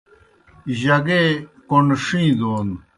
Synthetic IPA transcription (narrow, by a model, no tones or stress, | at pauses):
ʑɐɡekoɳʂĩːd̪oːn